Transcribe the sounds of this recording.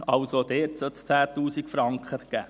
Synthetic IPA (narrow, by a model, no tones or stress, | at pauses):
ɑʊsod̥̪ɛːtsœtst͡sæːtuːsikfɾɑŋkχəɡ̥æ̰ː